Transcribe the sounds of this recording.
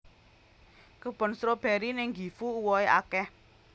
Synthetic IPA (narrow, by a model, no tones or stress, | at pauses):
kəb̥ɔ̤nsɾob̥ɛɾinɪŋɡi̤fuuwɔeʔa̰kɛh